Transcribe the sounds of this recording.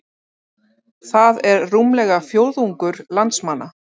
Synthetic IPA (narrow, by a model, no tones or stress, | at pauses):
θaðɛɾːumlɛɣafjowɾðuŋkʏɾlant̪smanːa